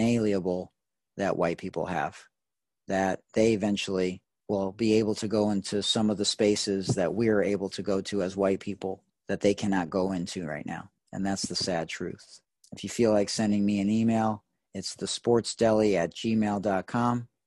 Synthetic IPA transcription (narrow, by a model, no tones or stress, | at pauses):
eɪlˠiɨbl̩ˠ | ðɨʔwaɪt̚pʰipl̩ˠə̰v̥ | ðɨt̪̚ðeɪɨvɛ̃nt͡ʃl̩ˠi | wɪlˠbieɪbl̩ˠtʰɨɡoʊɪ̃ntʰʉsʌ̃mʌvðɨspeɪsɪzðɨʔ̚wiə˞eɪbl̩ˠtʰɨɡoʊɾʉəzwaɪt̚pʰipl̩ˠ | ðɨt̪̚ðeɪkʰænɑt̚ɡ̥oʊɪ̃ntʰʉɹa̰ɪtⁿna̰ʊ | ɨ̰̃nðætsðɨsæd̚tʰɹ̥ʉ̰θ | ɨfjɨfilaɪksɛ̃ndɪ̃ŋmiɨ̃nimeɪlˠ | ɨtsðɨspɔɹtsd̥ɛlˠiɨt̚d̥ʒ̥imeɪlˠdɑt̚kʰɑ̃m